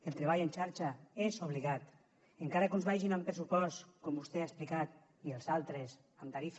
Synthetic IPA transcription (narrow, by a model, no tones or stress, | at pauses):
elˠt̪ɾeβ̞ajent͡ʃaɾt͡ʃaezoβ̞liɣat̪ | eŋkaɾakunzβaʒinaumpɾesupɔst̪kombust̪eaesplikat̪ | ielˠzalˠt̪ɾes | amt̪aɾif